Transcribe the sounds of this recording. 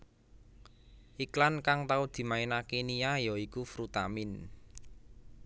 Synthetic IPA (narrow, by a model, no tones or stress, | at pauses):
ʔiklankaŋt̪aud̪̥i̤mainakenijajɔikufɾut̪amɪn